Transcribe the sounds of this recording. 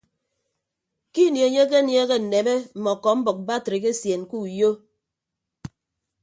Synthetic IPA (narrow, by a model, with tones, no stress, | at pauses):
ki˦nje˨ɲe˦k̬e˦nje˦ɣe˦n̩˨ne˨be˦m̩˨mɔ˨kɔ˨m̩˦bɔ˨k̚ba˦˨tɾe˨ke˦sje˨nku˦˨jo˦